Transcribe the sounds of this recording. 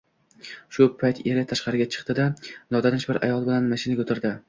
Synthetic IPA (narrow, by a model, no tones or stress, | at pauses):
ʃʊpʰajt̪ʰeɾɪt̪ʰaʃqɑɾɪɡʲat͡ʃʰɨ̥qt̪ɪd̪anɒd̪anɪʃbɪɾʔa̰jɒlˠbɪlanmaʃɪnaɡʲot̪ʰɪɾd̪ɪ